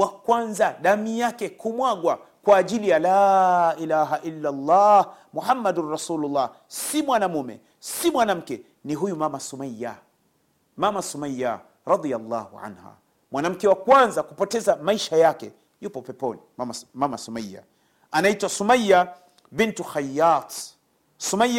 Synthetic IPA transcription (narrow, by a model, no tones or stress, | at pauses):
wakwanzaɗamijakɛkumwaɠwa | kwaːʄilijalaʔilaɦaʔilːalˤːɑhmuhamːadunɾɑsuːlulːɑh | simwanamumɛ̰ | simwanam̩kɛ | niɦujumamasumaja̰ | mamasumajːa̰ | ɾɑd̪ˤijalˤːɑːhuʕa̰nha̰ | mwanam̩kɛwakwanzakupɔtɛzamaiʃajakɛ̰ | jupɔpɛpɔniamamasumajːa̰ | anaitwasumajːa | bintuxajːat̪ | sumaj